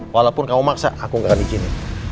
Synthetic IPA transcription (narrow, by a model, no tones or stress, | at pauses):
walawpʊnkamumaksa̰akuŋɡakanikini